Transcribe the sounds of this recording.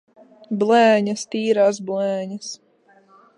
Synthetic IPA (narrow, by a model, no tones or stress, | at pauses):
blˠɛːɲɐst̪iːɾaːs̬blˠɛːɲɐs